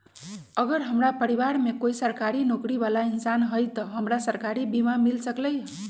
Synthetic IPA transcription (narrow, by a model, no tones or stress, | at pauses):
ʌɡʌɾɦʌmrapʌɾibarmekoisʌrkaɾinokɾibalainsanɦʌjt̪ʌɦʌmrasʌrkaɾibimamilsʌklʌj